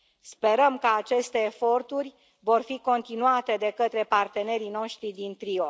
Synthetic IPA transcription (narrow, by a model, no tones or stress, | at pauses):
spe̞ɾəmkəat͡ʃe̞st̪e̞ːfo̞rt̪urʲ | vo̞rfiko̞nt̪inuat̪e̞d̪e̞kət̪ɾe̞part̪e̞ne̞ɾino̞ʃt̪ɾid̪int̪ɾio